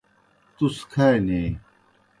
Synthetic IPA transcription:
t̪uskʰaeneː

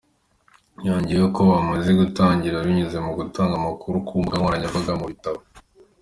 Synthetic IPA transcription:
jaːɲɟioko̞βamazeɡutaːɲɟiɾaβiɲuze̞muɡutʰaːŋɡamakuɾukʰuːmbɡamaɾaɲaβaɡamuβitaβo

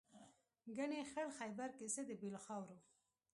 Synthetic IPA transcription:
ɡaɳexəɽxajbaɾkɪsed̪əbilxɑwɾo

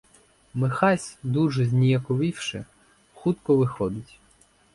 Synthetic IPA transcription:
mɪxɑsʲd̪uʒɛzʲnʲijɐkɔʋiwʃɪ̰ | xut̪kɔʋɪxɔd̪ɪtʲ

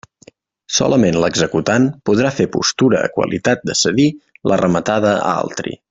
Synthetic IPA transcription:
sɔ̰ləmenləɡzəkut̪anpuðɾafepṵst̪uɾə̰ːkwə̰lit̪at̪̚d̪əsəðilʔərəmət̪aðəa̰lˠt̪ɾḭ

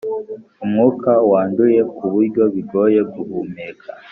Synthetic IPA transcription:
umŋuːkawaːnduje̞kuβuɾɟo̞βiɡo̞je̞ɡuhumeɡa

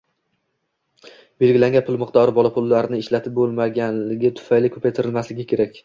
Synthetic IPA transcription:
b̥e̞lɡʲɪlaŋʲɡʲanpʰʊlˠmɪqt̪ɒɾɪbɒlˠapʰʊlːaɾɪnɪɪʃlat̪ʰɪp̚bolˠmaɡʲanlɪɡʲat̪ʰʊ̥fajlɪkʰɵpʰajt̪ʰɪɾɪlmaslɪɡʲɪkʲʰe̞ɾakʲ

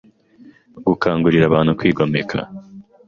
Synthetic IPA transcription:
ɡukʰaːŋɡuɾiɾaβaːn̥hukwiːɡomekʰa̰

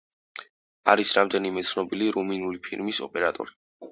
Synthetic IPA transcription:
aɾisɾamd̪ɛnimɛt̪sʰnɔbiliɾuminulipʰiɾmisɔ̰pʼɛɾat̪ʼɔ̰ɾi

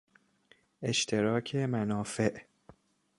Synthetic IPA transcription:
ʔeʃt̪ʰeɾɒːkʰemænɒːfe̞ʔ

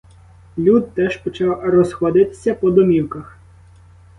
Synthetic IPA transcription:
lʲud̪̚t̪ɛʒpɔt͡ʃɑwrɔzxɔd̪ɪt̪ɪ̥sʲɐpɔd̪ɔmʲiwkɐx

